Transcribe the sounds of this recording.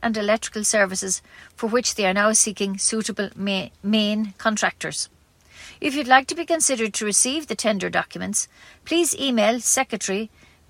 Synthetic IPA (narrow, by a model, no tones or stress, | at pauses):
ʔə̃ndɪlɛk̚tɹ̥ɪ̥kəlˠsɜ˞vɪsɪz̥fə˞wɪt͡ʃðeɪə˞naʊsikɪ̃ŋsuɾəbəlmẽɪnkʰɔ̃ntʰɹ̥ak̚tʰə̰˞z̥ | ʔɪfjədˡlaɪk̚tʰəbikə̃nsɪɾə˞d̚tʰəɹɪsiːvðətʰɛ̃ndə˞dɔ̰kjəmə̃ntspʰl̥iːziːmeɪlˠsɛkɹətɛɹi